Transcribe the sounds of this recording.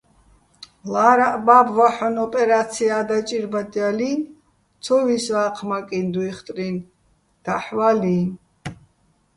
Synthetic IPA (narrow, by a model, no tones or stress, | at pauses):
laɾaʔbabvaħɔnɔpʼɛɾat̪sʰiad̪at͡ʃʼiɾbat̪ʼjalin | t̪ʰɔviswaqʰmakʼind̪uiχt̪ʼɾin | d̪̥aħvalin